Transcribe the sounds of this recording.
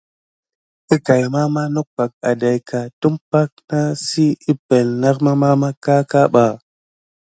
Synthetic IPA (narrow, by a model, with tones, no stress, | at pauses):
i˦ka˨jma˦ma˦nu˦k̚pa˨k̚a˨da˨jka˨tu˦mpa˦k̚na˦si˦i˦pe˨lna˦kma˦ma˦ma˦ka˦ka˦ɓa˨